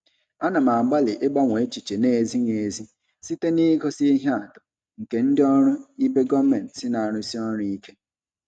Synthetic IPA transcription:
a˦na˨ma˨ɡ͡ba˦lɪ˨ʔɪ˦ɡ͡ba˦ŋʷe˨˦t͡ʃi˨t͡ʃe˨ne˨zi˦ŋe˨zi˦ | si˦te˦ni˦ɡo˦si˦i˦ɦa˦a˨dʊ̥˨ | ŋ̩˨ke˨n̩˦dɪ˦ɔ˦ɾʊ˦i˦be˦ɡɔ˦me˨n˨sɪ˦na˨a˨ɾʊ˦si˦ɔ˦ɾʊ˦i˦ke˦

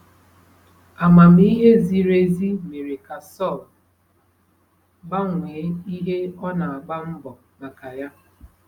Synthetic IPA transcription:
a˨ma˨m̩˦i˦ɦe˦zi˦ɾe˦zi˦me˨ɾe˨ka˨sɔ˦˨l | ba˦ŋʷeː˨˦i˦ɦe˦ɔ˦na˨a˨ɡ͡ba˦m̩˦bɔ˨ | ma˨ka˨ja˦

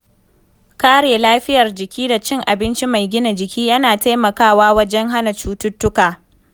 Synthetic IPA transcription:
kaː˦ɽeː˨laː˦ɸɪ˦jɐ˨rd͡ʒɪ˨kʲiː˦da˨t͡ʃɪ˦ŋʔa˨bɪ˦nt͡ʃi˦ma˨jɡʲɪ˦na˨d͡ʒɪ˨kʲiː˦jɐ˦naː˨ta˦jmɐ˨kaː˦˨waː˦wɐ˦d͡ʒɛ˦ŋɦa˦na˨t͡ʃuː˦tʊ˦tːʊ˦kaː˨

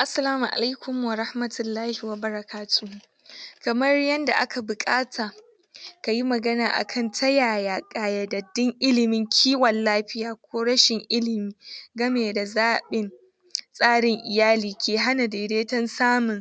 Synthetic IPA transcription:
ʔa˨sːɐ˦laː˦mu˨ʔa̰˨la˦jkʷʊ˨m˨wɐ˨ɾa˦hmɐ˨tʊ˨lːaː˦hi˨wɐ˨bɐ˦ɾɐ˨kʰaː˦tu˨ | kɐ˨mɐ˦rjɐ˦nda˨ʔa̰˦ka˨bʊ˨kʼaː˦tʰaː˨ | ka˨ji˦mɐ˨ɡɐ˦naː˨ʔa̰˨kʰɐ˦ntʰɐ˦jaː˨jaː˨kʼaː˨jɐ˨dɐ˨dɪ˦ŋʔɪ˦lɪ˨mɪ˦ŋkʲʰiː˦wɐ˨llaː˦ɸɪ˦jaː˨kʷoː˦ɽɐ˦ʃɪ˨ŋʔɪ˦lɪ˨miː˦ɡɐ˦meː˨da˨zaː˦ɓɪ˨n | sʼaː˦ɽɪ˨ŋʔɪ˨jaː˦liː˨kʲeː˨ɦa˦na˨deː˨deː˦tɐ˦nsaː˦mʊ˨ŋ

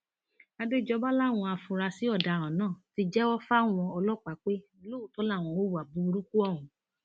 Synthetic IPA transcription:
a˧de˦d͡ʒɔ˧ba˦la˦˨w̃ɔ̃˧a˧fũ˧ɾa˧si˨˦ɔ˦˨da˨ɾ̃ã˨nãː˦˨ti˧d͡ʒɛ˦wɔ˦fa˦˨w̃ɔ̃˧ɔ˧lɔ˦˨k͡pa˨˦k͡pe˦lo˦u˨tɔ˨˦la˦˨w̃ɔ̃˧˨wo˦wu˨a˨bu˨˦˧ɾu˦ku˦ɔ˦˨ɦũ˨˦

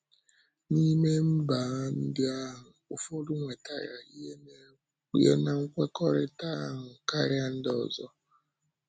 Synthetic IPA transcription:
ni˦me˦m̩˦ba˨˦n̩˦dɪ˦a˦ɦʊ˨o˨fo˦ɾu˦ŋʷe˨ta̰˨ja˨i˦e˦ | ḭ˦ɦḛ˦na˨ŋ̩˦kʷe˦kɔ˦ɾɪ˦ta˦ɦʊ˨ka˦ɾɪ˦a˦n̩˦dɔ̰˨zɔ˦

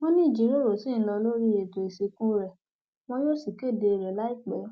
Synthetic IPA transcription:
w̃ɔ̃˦nĩ˦˨d͡ʒi˨˦ɾo˦ɾo˨sĩ˦˨n̩˦lɔ˧lo˦ɾi˦je˨to˨i˨se˧kũ˦ɾɛ˨ | w̃ɔ̃˦jo˦si˦˨ki˦˨de˧e˧˨ɾɛ˨la˦i˦˨k͡pɛ˨˦

